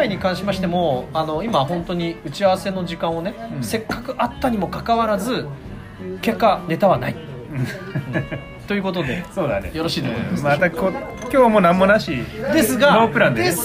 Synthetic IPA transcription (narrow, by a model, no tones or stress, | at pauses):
aiɲ̟ikãɰ̃ɕimaɕi̥t̪e̞mo̞ano̞imaɦõ̞nt̪o̞ɲ̟iɯ̟t͡ɕiaβase̞no̞ʑikãɰ̃o̞nese̞kːakɯ̟ʔat̪ːaɲ̟imo̞kakaβaɾazɨ | ke̞kːane̞t̪aβana̰i | t̪o̞jɯ̟ko̞t̪̬o̞d̪e̞soːd̪anejo̞ɾo̞ɕiːd̪esmat̪akokʲoːmo̞nãmːo̞naɕid̪e̞sɨɡaopɯ̟ɾãnd̪e